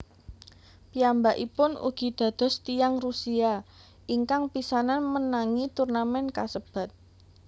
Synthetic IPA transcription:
piambaʔḭpʊnṵɡ̥i̤d̪̥ä̤d̪̥ɔ̤st̪ijaŋrusia | iŋkaŋpisananmənaŋit̪urnamɛnkasəb̥a̤t̪̚

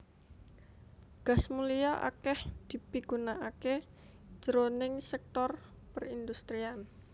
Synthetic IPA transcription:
ɡ̥a̤smuliaʔa̰kɛhd̪̥i̤piɡ̥unaʔake̥ | d͡ʒ̥əɾonɪŋsɛk̚t̪ɔr | pərind̪ust̪ɾian

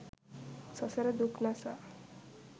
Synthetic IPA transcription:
sʌseɾed̪ukʰnasa

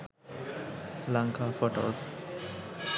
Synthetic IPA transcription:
laŋkafoʈo̰s

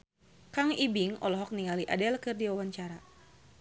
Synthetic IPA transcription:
kaŋibiŋɔ̰lɔɦɔk̚niŋaliʔa̰dɛlkɨrdiwawaɲt͡ʃaɾa

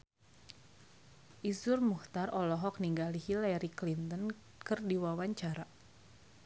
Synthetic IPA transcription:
ʔisʊrmuht̪arʔɔlɔɦɔk̚niŋɡalihilɛɾiklint̪ən | kɨrdiwawaɲt͡ʃaɾa

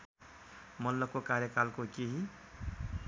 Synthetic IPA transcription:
mʌlːʌkːokaɾjʌkalkokeɦi

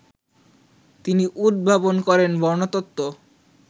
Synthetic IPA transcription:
t̪iniʔud̪̚bʱabonkɔɾenbʱɔɾnot̪ot̪ːo

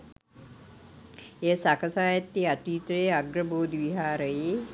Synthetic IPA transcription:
eːsakʰɐsaːjɐt̪ːiat̪iːt̪ɾeːaɡɾɐboːd̪ʋiɦaːɾəjeː

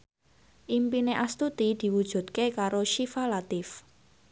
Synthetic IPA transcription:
ʔimpineʔast̪ut̪id̪̥i̤wud̥ʒ̥ṳd̪̚kekaɾoʃifalat̪ɪf

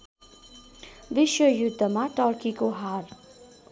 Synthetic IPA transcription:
ʋɪʃwəjʊd̪ʱːəmãʈɔːɾkikoɦaːɾ

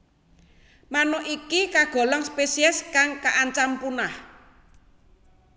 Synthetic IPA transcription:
manɔʔikikaɡ̥o̤lɔŋspesiɛskaŋkaʔaɲt͡ʃampunah

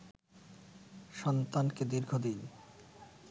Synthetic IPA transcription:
ʃɔnt̪anked̪iɾɡʱod̪in

